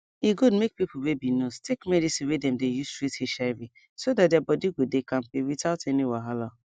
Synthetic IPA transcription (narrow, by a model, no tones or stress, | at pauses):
iɡudmek̚pipowebinostʰekmɛdisiwedɛ̃mdejustɹitheʃaɪvi | sodatdabɔdiɡodekãm̩pewitaʊteniwaɦala